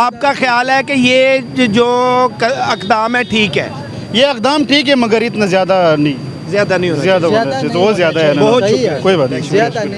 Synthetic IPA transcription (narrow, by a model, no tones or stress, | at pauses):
aːp̚kaxjaːlɦɛkejeːd͡ʒoːkɐkd̪aːmɦɛʈʰiːkɦɛ̰ː | jeːɐkd̪aːmʈʰiːkɦɛmɐɡəɾɪt̪nazɪjaːd̪anɐĩː | zjaːd̪anĩɦoːzjaːd̪aod̪aset̪ozjaːd̪aɦɛːnaɦ̪koːibaːt̪nẽt͡ʃː